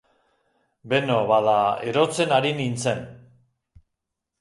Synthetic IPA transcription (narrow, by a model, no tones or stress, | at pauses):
be̞no̞βaðae̞ɾo̞t͡se̞naɾinint͡se̞n